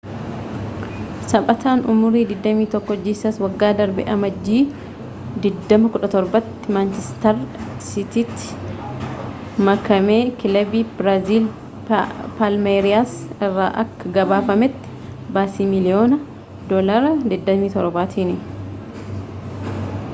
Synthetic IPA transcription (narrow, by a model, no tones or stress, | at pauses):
sɐɓʼɐt̪ʰaːnʔʊmʊɾiːd̪ɪd̪ːɐmiːt̪ɔkːɔd͡ʒːiːsɐswɐɡːaːd̪ɐɾbɛ̰ʔɐmɐd͡ʒːiː | d̪ɪd̪ːɐmɐkʊᶑɐt̪ɔɾbɐt̪ːɪmɐnt͡ʃɛst̪ɐɾsɪt̪iːt̪ːɪ̥ | mɐkɐme̞ːkɪlɐbiːbɾaziːl | palmeːɾɪjaːsɪrːa̰ːʔɐkːɐɡɐbaːfɐmɛt̪ːɪ̥ | baːsiːmɪlɪjoːnɐ | d̪ɔlɐɾɐd̪ɪd̪ːɐmiːt̪ɔɾɔbaːt̪ʰiːnɪ